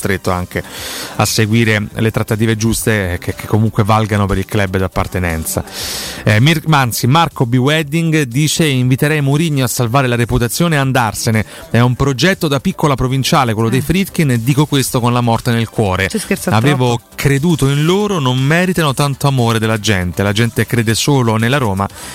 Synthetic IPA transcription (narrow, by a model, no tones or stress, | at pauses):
st̪ɾet̪ːoa̰ŋkea̰sːeɡwiːɾelet̪ɾat̪ːat̪iːved͡ʒust̪ekekʰːekʰːomuŋkwevalɡanopeɾilklɛbd̪apːa̰rt̪enɛ̰nt̪sa̰ | mmansimarkobiwɛd̪iŋɡd̪iːt͡ʃeiɱvit̪eɾɛjmuɾiɲːoasːalvaːɾelaɾeput̪at̪sːjoːneand̪arsene | ɛumpɾod͡ʒɛt̪ːod̪apikːolapɾovint͡ʃaːlekwelːod̪ejfɾit̪kined̪ːiːkokwest̪okonlamɔrt̪enelkwɔːɾeskesaveːvo | kʰɾed̪uːt̪oinloːɾonommɛːɾit̪anot̪ant̪oamoːɾed̪elːad͡ʒɛnt̪elad͡ʒɛnt̪ekɾeːd̪esoːlonelaɾoːma̰